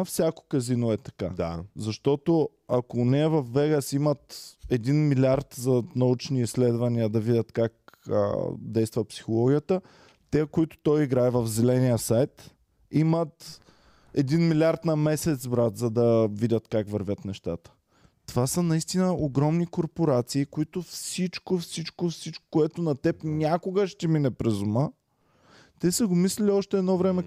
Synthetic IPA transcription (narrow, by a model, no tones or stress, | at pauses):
fsʲakʊ̥kɐzinoɛt̪ɐ̥kazɐʃt̪ɔt̪o | ɐkonɛːvɐfːɛɡəsimət̪ɛd̪inmilʲiaɾt̪zɐnɐut͡ʃniislɛd̪vɐniəd̪ɐvidʲət̪kak̚ə̰d̪ɛjst̪vəpsi̥xolˠɔɡʲijət̪ə | t̪ɛkoit̪ʊ̥t̪ɔjiɡɾaɛvɐfzɛlɛnijəsajt̪ | imət̪ | ɛd̪inmilʲaɾt̪nɐmɛsɛt̪sbɾat̪zɐd̪ɐvidʲət̪kakvɐɾvʲət̪nɛʃt̪at̪ə̥ | t̪ovasənɐist̪inəoɡɾɔmnikoɾpoɾat̪siːkoit̪ofsit͡ʃkofsit͡ʃkofsit͡ʃko̥koɛt̪onɐt̪ɛpnʲakoɡəʃt̪ɛminɛpɾɛzʊmə | t̪ɛsəɡomislɛlʲiɔʃt̪ɛːd̪nɔvɾɛmɛ